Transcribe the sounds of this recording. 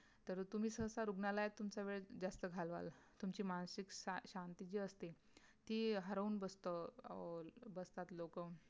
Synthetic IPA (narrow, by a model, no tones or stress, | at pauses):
t̪əɾt̪um̤iːsəɦsaɾuɡnalajet̪ːumt͡ɕaʋeɭd͡zast̪əɡʱalʋa̰lt̪umt͡ɕiːmansikaɕant̪id͡ʑiːəst̪e | t̪iːɦəɾəuːnbəst̪ə | bəst̪at̪lokə